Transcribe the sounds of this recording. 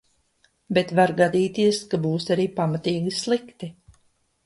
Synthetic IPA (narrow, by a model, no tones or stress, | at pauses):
bet̪vaɾɡad̪iːt̪iɛskabuːsaɾiːpamat̪iːɡislˠikt̪i